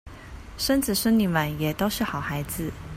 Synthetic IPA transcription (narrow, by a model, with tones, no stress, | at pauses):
ʂə˥nt͡sɹ̩˨˩ʂə˥nli˧˥nma˧˩˦njɛ˨˩t̪o˥ʊʂɻ̩˥˩xɑ˨˩ʊxa˧˥ɪd͡zɹ̩˥˩